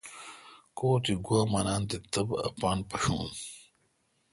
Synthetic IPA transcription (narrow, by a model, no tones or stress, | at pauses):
koːt̪iɡwaːmanaːnt̪it̪ɐbɐ̰paːnpɐɕṵːn